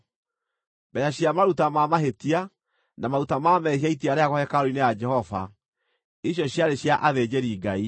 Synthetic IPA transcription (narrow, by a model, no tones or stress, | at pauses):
bɛjaɕjamaɾutamamaɦetia | namaɾutamamɛɦiaitiaɾeaɣɔhɛkaɾoinejad͡ʒɛhɔva̰ | iɕ̬jɔɕjaɾeɕjaʔaðed͡ʑeɾiːɡai